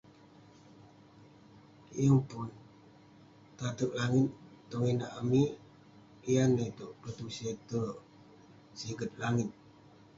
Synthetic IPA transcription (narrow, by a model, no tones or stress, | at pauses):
jəŋpʊn | t̪at̪ək̚laŋɪt̪̚ː | oŋinaʔami | ijanəit̪uʔpət̪uset̪ə | siɡət̪̚laŋɪt̪̚